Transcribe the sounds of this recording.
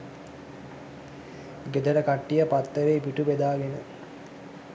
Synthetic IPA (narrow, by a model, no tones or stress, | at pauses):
ɡed̪əʈəkaʈːijəpat̪ːəɾeːpiʈubed̪aːɡenə